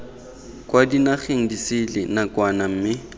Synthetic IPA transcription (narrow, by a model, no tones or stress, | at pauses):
kʼwadinaχeŋ̩disɪlɪnakʼwanam̩ːmɪ